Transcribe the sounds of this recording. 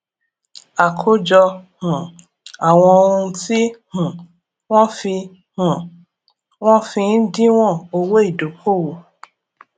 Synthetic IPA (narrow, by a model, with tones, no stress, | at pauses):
a˨kʰo˦d͡ʒɔ˧hũ˨ | a˨w̃ɔ̃˧o˧ũ˧ti˦hũ˨ | w̃ɔ̃˦fi˧ | hũ˨ | w̃ɔ̃˦fĩ˧n̩˦dĩ˦w̃ɔ̃˦˨o˧wo˦i˦˨do˨kʰo˦˨wo˨